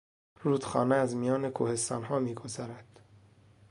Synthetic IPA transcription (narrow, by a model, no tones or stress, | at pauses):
ruːd̪̥xɒːneæzmijɒːne̞kʰuːhe̞st̪ɒːnɦɒːmiːɡo̞zɒːɾæd̪̥